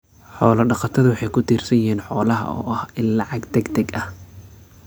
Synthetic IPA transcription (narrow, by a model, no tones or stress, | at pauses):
ħɔːlɐɖɑqɑt̪ʰɐðʊwɑħɑjkʰʊt̪ʰiːrsɐjɪɦiːnħɔːlɐɦɐ̰ɔ̰ːʔɐhɪnlɑʕɑɡd̪ɛɡd̪ɛɡɐh